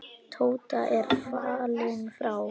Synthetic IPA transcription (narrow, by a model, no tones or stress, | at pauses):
t̪ʰoːwt̪aʔɛɾ̥faːlɪŋfɾaw